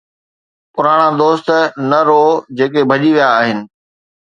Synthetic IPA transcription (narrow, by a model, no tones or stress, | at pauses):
pʊɾaːɽ̃ad̪oːst̪nɐɾoːd͡ʑeːkebʱɐʄiʋijaːɦɪnɪ̆